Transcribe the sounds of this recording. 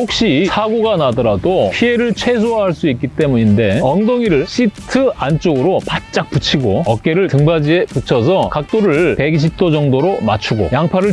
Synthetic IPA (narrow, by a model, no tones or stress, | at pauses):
hok̚ɕ͈isʰaɡoɡanadʌɾadopʰie̞ɾɯɭt͡ɕʰwe̞s̬ʰoɦaɭs͈uik͈it͈e̞muɲinde̞ʌŋdoŋiɾɯɭɕ͈itʰɯant͡ɕ͈oɡɯɾopat̚t͡ɕ͈ak̚p͈ut͡ɕʰiɡoʌk̚k͈e̞ɾɯɭtɯŋbad͡ʑieput͡ɕʰʌs̬ʰʌkak̚t͈oɾɯɭpe̞ɡiɕ̬ʰip̚t͈od͡ʑʌŋdoɾomat͡ɕʰuɡo̰jaŋpʰaɾɯɭ